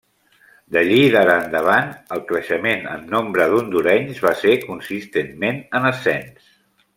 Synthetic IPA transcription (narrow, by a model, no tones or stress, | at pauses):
d̪əʎiðaɾəːnd̪əβanəlˠkɾəʃəmenə̰nːombɾəðund̪uɾɛɲzβasekunsist̪enmenənəsɛns